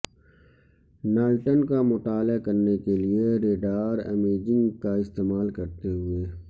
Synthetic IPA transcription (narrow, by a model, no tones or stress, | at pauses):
naːlʈənkamʊt̪aːlakɐɾnekelieɾeːɖaːɾɛ̰meːd͡ʒɪ̃ŋɡkaɪst̪eːmaːlkɐɾt̪eɦʊeː